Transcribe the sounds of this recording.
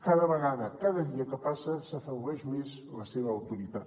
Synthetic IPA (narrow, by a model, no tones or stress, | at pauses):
kaðəβəɣaðəkaðəðiəkəpasəsəfəɛʒumez | ləseβəːwt̪uɾit̪at̪